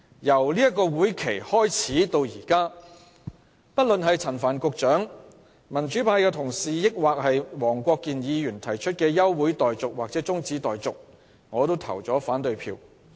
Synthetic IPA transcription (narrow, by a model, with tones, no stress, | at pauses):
jɐ˨˩wliː˥jɐ˥t̚kːɔː˧wuː˨˥jkʰe˨˩jhɔː˥jt͡sʰiː˨˥t̪o˧wjiː˨˩kaː˥ | pɐ˥t̚lɵ˨nɦɐ˨jt͡sʰɐ˨˩nfaː˨˩nkʊ˧k̚t͡ʃœː˨˥ŋ | mɐ˨˩nt͡ʃyː˨˥pʰaː˧jkɛː˧t̪ʰʊ˨˩ŋsiː˨jɪ˥k̚waː˨k̚hɐ˨jwɔː˨˩ŋkʷɔː˧kːiː˨njiː˨˧jyː˨˩nt̪ʰɐ˨˩jt͡ʃʰɵ˥t̚kɛː˧jɐ˥wːuː˨˥jt̪ɔː˨jt͡sʊ˨k̚waː˨k̚t͡sɛː˨˥t͡sʊ˥ŋt͡siː˨˥t̪ɔː˨jt͡sʊ˨k̚ | ŋɔː˨˧t̪o˥wt̪ʰɐ̰˨˩wt͡sɔː˨˥faː˨˥nt̪ɵ˧ɥpʰḭː˧w